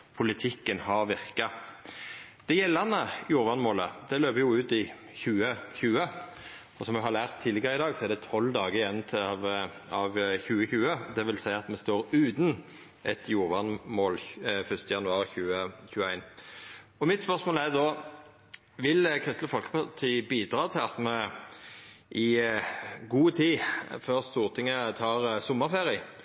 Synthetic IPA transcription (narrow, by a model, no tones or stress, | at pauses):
pʰʊlɪt̪ʰɪkːənhɑɾʋɪʁkɑ | d̪̥ɛjɛlːɑnəjuːɾʋɑnmoːləd̪ɛløːpəjʊʉːt̪ɪ | çʉːəçʉːə | ɔsɔmjɛhɑɾlæːʁt̪ʰːiːlɪɡəɾəɪd̪ɑːɡsɔɛɾd̪ɛt̪ʰɔlːd̪ɑːɡəjɛnt̪ʰ | ɑʋçʉːəçʉːəd̪ɛʋɪlsæɪɑt̪mɛst̪oːɾʉːd̪n | ɛt̪ʰjuːʋɑnmoːlfœst̪əjɑnʉɑːʁçʉːəçʉəæɪn | ɔmɪt̪spœʁsmoːlæʁd̪ɔ | ʋɪlkʰʁɪst̪ləfɔlkə̥pʰɑt̪ʰiːbiːd̪ɾɑːt̪ʰɪlɑt̪mɛ | ʔɪ | ɡuːt̪ʰiːføːʁst̪uːʁt̪ʰɪŋːət̪ʰɑːʁsɔməʁfeːɾɪ